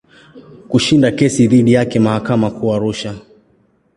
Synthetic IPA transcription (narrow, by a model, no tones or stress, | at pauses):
kuʃindakɛsiðiɗijakɛmahakamakuaɾuʃa